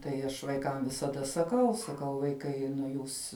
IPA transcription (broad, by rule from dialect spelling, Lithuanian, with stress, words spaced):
tɐɪ ˈɐʃ ʋɐɪˈkɐm ʋʲɪsɐˈdɐ sɐˈkɐʊ sɐˈkɐʊ ʋɐɪˈkɐɪ nʊ ˈjuːs